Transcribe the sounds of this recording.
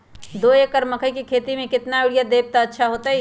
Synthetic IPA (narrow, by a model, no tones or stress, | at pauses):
d̪oːekəɾməkʰəjkikʰeːt̪imẽkɪt̪naeɽijad̪eːb̚t̪aətːʃʰaɦoːt̪aɦi